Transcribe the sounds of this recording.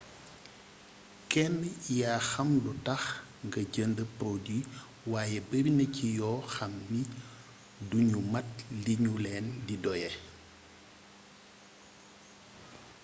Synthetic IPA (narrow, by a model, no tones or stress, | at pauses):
kɛnːjaːxɐmlutɐx | ŋɡɐɟəndəpɾodi | waːjɛbəɾinəcijɔːxɐmːi | duɲumɐt̚liɲulɛːndidɔjɛ